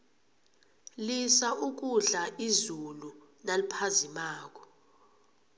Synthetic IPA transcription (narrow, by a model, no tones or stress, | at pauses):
lisaʔuk̬uɮaizulu | nalipʰazimaːk̬ɔ̥